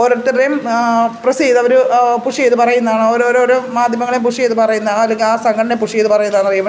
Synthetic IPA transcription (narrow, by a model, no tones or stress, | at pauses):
oɾot̪ːrɐɾɐjmprɐsiːðɐʋɐɾupuʂijejt̪ːɨpɐrɐjunːɐðaːɳɨoɾoɾɾumaːd̪ʱjɐmɐŋɐɭejumpuʂijet̪ːɨpɐrɐjunːɐɐlːeŋɡilaːsɐŋɡʱɐɳɐɳepːuʂijej̪ɨpɐrɐjunːɐðaːnɐrijum